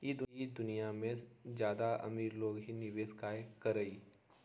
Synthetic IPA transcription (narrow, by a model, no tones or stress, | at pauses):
jid̪ʊid̪ʊnijamẽd͡ʒjaːd̪aʔɐ̰miːɾloːɡɦinɪʋeːskaːekɐɾəiː